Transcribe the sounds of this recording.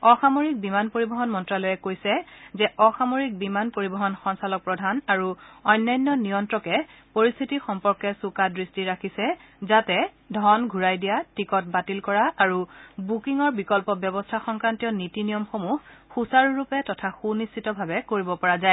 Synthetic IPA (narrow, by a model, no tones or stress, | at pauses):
ɔxamoɹik̚bimanpoɹibɔɦɔnmɔntɹalɔjɛkojsɛzɛʔɔxamoɹik̚bimanpoɹibɔɦɔnxɔnsalɔk̚pɹɔdʱanaɹuɔjnːajnːɔnijɔntɹɔkɛpoɹist̪ʰitixɔmpɔɹkɛsukadɹistiɹakʰisɛzatɛ | dʱɔnɡʱuɹajdijatikɔt̚batilkɔɹaʔaɹubukiŋɔɹbikɔlpɔbjɔbɔstʰaxɔŋkɹantijɔnitinijɔmxomuhːusaɹuɹupɛtɔtʰaxunistʰitɔbʱabɛkoɹibɔpɔɹazaɛ